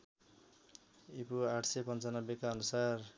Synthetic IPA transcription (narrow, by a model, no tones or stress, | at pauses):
ipuaʈʰsepʌnt͡sʌnʌbjekaʌnusar